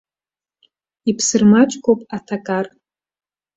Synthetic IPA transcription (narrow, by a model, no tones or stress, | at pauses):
ipʰsɨrmat͡ʃʼkʰʷʼopʼatʰakʼar